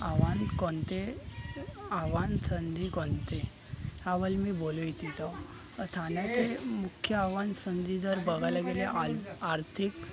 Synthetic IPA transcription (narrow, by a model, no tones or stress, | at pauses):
aʋankɔnt̪e | aʋansənd̪ʱikɔnt̪e | haʋəlmiːboluit͡ɕid͡zaw | t̪ʰanjat͡semukʰjəaʋansənd̪id͡z̪əɾbəɡʱajlaɡeleʔaɾt̪ʰik